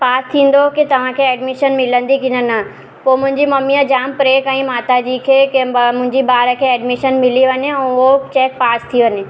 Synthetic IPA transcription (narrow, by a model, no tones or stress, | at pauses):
paːst̪ʰĩːn̆d̪okit̪ɐʋ̤ãkʰeɛːɖmɪʃənmɪlə̃nd̪ikɪnənɐ | poːmʊ̃ɦɪ̃ɲd͡ʑimɐmijəd͡ʑaːmpɾeːkãĩmaːt̪ad͡ʑiːkʰeːkmʊ̃ɦɪ̃ɲd͡ʑibaːɾəkʰeːɛːɖmɪʃənmɪliʋɐɲeɛ̃ːot͡ɕeːk̚paːst̪ʰiʋɐɲe